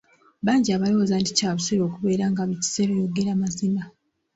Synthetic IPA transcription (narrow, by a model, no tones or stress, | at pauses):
βaːɲɟiaβalo̞wozandicaːβuseɾo̞ːkuβe̞ːɾaŋɡaβici̥se̞ːɾojo̞ɡeɾaːmazina